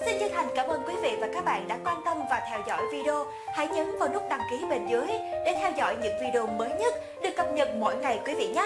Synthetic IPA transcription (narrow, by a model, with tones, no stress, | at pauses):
si˧nt͡ɕə˦˥t̚hʰa˨˩jŋ̟kaː˨˧˦mʔəː˧nkwi˨˦vḭ˧˨vaː˨˩kaː˦˥k̚ɓa̰ː˧˨nɗa̰ː˧˥kwaː˧nt̪ə˧mvaː˨˩t̪ʰɛ˧wzɔ̰˧˨jvi˧ɗi˧o˧ | ha̰˧˥jɲəː˨˦nvaː˨˩nʊ˦˥k͡p̚ɗa˨˩ŋki˨˦ɓe˨˧˩nzɨ˨˦əjɗe˧˩t̪ʰɛ˧wzɔ̰˧˨jɲɨ̰˧˥ŋvi˧ɗe˧o˧məː˨˦jɲə˦˥t̚ | ɗɨ˨˩əkːə˨˩p̚ɲə˨˩t̚mɔ̰˧˨jŋa˨˩jkwi˨˦vḭ˧˨ɲaː˦˥